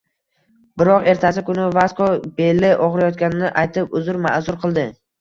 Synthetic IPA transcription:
bɪɾɒqe̞ɾt̪ʰasɪkʊnɪvaskob̥e̞lːɪʔɒʁɾajɒt̪kʲanɪnɪʔajt̪ʰɪpʊzʊɾma̰zʊɾqʰɨlˠd̪ɪ

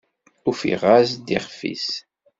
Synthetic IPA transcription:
ufḭʁasd̪iʁfḭs

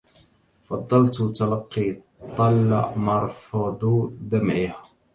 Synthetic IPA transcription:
fɑd̪ˤːɑlt̪t̪alɑqːiː | t̪ˤːɑlːamɑɾˤfɑd̪ˤd̪amʕɪha

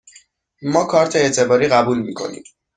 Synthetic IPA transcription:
mɒːkʰɒɾt̪ʰeet̪ʰe̞bɒːɾiːɣæbuːlmiːkʰo̞̰nḭːm

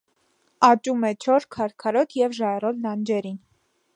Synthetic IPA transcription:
ɑt͡ʃʼumɛt͡ʃʰɔɾkʰɑɾkʰɑɾɔt̪ʰjɛvʒɑjrɔlnɑnd͡ʒɛɾin

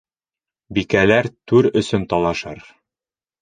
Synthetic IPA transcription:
bikælæɾt̪ʉɾɵ̆sɵnt̪ɒlˠɑʃɑɾ

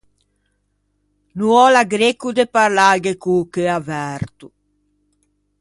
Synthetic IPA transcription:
nuɔlaɡɾekud̪epaɾlaɡekukeavɛɾt̪u

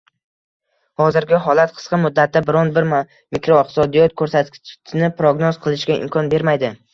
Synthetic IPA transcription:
hɒzɪɾɡʲɪɦɒlˠat̪̚qʰɨ̥sqɑmʊd̪ːat̪ʰːabɪɾɒnbɪɾm | mikɾoɪχt̪ɪ̥sɒd̪ijɒt̪̚kʰɵɾsat̪ʲʰɪnɪpɾoɡnozqʰɨlˠɪʃkʲaɪ̰mkʰɒnbe̞ɾmajd̪ɪ

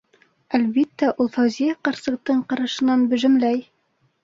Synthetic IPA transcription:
ælβit̪ːæʔulˠfæwzijæqɑ̆ɾsɤ̆q̚t̪ɤɴqɑɾɑʃɤ̆nɑnbɵ̆ʒɘ̆mlæj

